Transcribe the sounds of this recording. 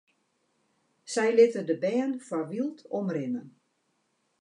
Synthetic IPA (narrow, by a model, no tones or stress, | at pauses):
sɛjlɪtədəbɛːnfarʋilˠtʰɔmrɪnən